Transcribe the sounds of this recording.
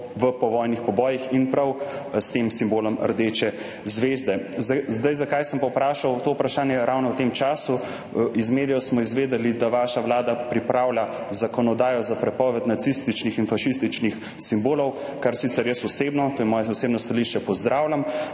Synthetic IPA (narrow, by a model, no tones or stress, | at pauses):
ʋəpɔʋɔːjnixpɔbɔːjixinpɾɐw | st̪emsimboːlɔmə̰ɾd̪et͡ʃɛ | zʋezd̪ɛzzd̪ajzakajsəmpawpɾaːʃawt̪oupɾaʃaːnjɛɾʔawnɔwt̪emt͡ʃaːsu | izmeːd̪ijɔsmɔizʋeːd̪ɛlid̪aʋaːʃaʋlaːd̪apɾipɾawlʲa | zakɔnɔd̪aːjɔzapɾɛpɔːʋɛt̪nat̪sist̪it͡ʃnixinfaʃist̪it͡ʃnix | simboːlɔw | kaɾsit̪sɛɾjəsɔsebnɔt̪oːjɛmɔːjɛɔsebnɔst̪aliʃt͡ʃɛpɔzd̪ɾʔaːwlʲam